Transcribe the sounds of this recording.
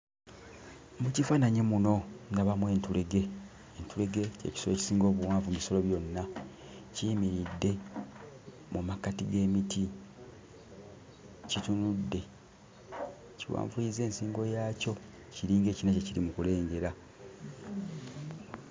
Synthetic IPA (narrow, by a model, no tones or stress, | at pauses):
mucifaːnaɲemuno̞naβamwe̞ːntuleɡe̞ː | ntule̞ɡe̞ce̞̰ci̥solo̞ci̥siːŋɡo̞ːβuwaːɱvumiso̞lo̞βjo̞nːa | cimiɾidːe̞ | mumakatiɡe̞ːmiti | citunudːe̞ | ciwa̰ːɱvuize̞ːnsiːŋɡo̞jaːco̞ | ciɾiːŋɡe̞ːcinaceciɾimukule̞ːŋɡe̞ɾa